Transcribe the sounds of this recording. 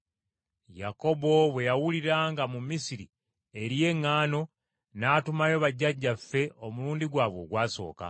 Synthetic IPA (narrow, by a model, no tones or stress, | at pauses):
ja̰ko̞bo̞βwe̞jawuliɾaːŋɡamumisiɾi | e̞ɾije̞ŋːaːno̞ | naːtumajo̞βaɟːaɟːafːe̞o̞muluːndiɡwaːβwo̞̰ɡwaːso̞̰ːka̰